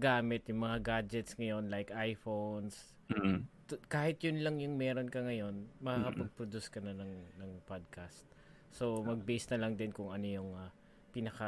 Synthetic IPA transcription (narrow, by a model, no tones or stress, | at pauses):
ɡaːmɪt̪jʊŋmɐŋaɡad͡ʒɛt̪sŋɐjo̞nlajkʔajfons | t̪kaːhɪt̪jʊnlɐŋjʊŋmɛːɾo̞nkɐŋɐjo̞nmɐkakɐpɐɡ̚pɾod̪uskɐnɐnɐŋnɐŋpad̪̚kʰast̪̚ | so̞mɐɡ̚bisnɐlɐŋd̪ɪnkʊŋɐno̞jʊŋɐ | pinɐkɐ